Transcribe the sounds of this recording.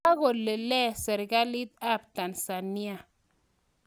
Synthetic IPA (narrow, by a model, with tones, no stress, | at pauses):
a˦ɣo˨lːe˨lɛ˦sɛ˨ɾɡa˦li˦t̪̚a˦pta˨nsa˨ni˦a˨